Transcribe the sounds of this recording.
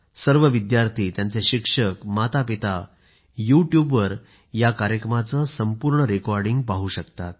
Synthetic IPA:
səɾʋəʋid̪jaɾt̪ʰiːt̪jãnt͡seɕikʂəkmat̪ʰapit̪a | juʈjubʋəɾ | jakaɾjəkɾəmat͡səsəmpuɾɳəɾekɔɾɖiŋɡ̚paɦuɕəkt̪at̪̚

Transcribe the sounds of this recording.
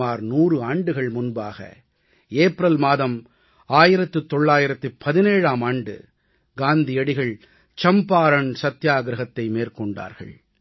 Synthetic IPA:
aːɾnuːrɯaːɳɖɯɣɐɭmʊnbaːɣɐ̰ | eːpɾɐlmaːðɐm | aːjɪɾɐt̪ːɯt̪ːɔɭːaːjɪɾɐt̪ːɯpʰːɐðɪneːɻaːmaːɳɖɯ̰ | ɡaːnd̪ɪjɐɽɪɣɐɭ | t͡ʃɐmpaːɾɐɳsɐt̪ːjaːɡɾɐɣɐt̪ːɐɪmeːrkɔɳɖa̰ːɾɣɐ̰ɭ

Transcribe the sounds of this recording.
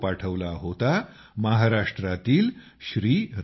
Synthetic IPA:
paʈʰəʋlaɦot̪a | maɦaɾaʂʈɾat̪iːl | ɕɾiːɾ

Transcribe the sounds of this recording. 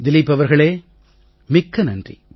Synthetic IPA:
d̪ɪlɪpːɐʋɐɾɣɐɭeː | mɪkːɐnɐndrḭ

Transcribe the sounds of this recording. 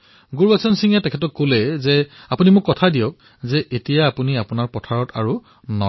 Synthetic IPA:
ɡuɹbasɔnsiŋɛtɛkʰɛtɔkːolɛzɛapunimʊkːɔtʰadijɔk̚ | zɛʔetijaːpuniapunaɹpɔtʰaɹɔtʰaɹu | nɔ̰

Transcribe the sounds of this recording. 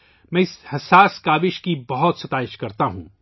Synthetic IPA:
mɛ̃ːɪshɐsaːskaːʋɪʃkibɐɦɔt̪sɐt̪aːɪʃkɐɾt̪aɦṵ̃

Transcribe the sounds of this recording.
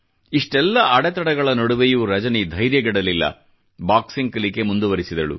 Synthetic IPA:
iʂʈɛlːɐʔaːɽɛt̪ɐɽɐɡɐɭɐnoɽuʋejuɾɐd͡ʒɐnid̪ʱɐjɾjɐɡɛɽɐlilːɐ̰ | baːksiŋɡkɐlike̞mund̪uʋɐɾisid̪ɐɭṵ

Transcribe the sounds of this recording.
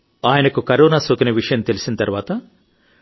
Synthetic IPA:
aːjɐnɐkukɐɾoːnaːsoːkɐnɐʋiʂɐjɐmt̪elisinɐt̪ɐɾʋaːt̪ɐ

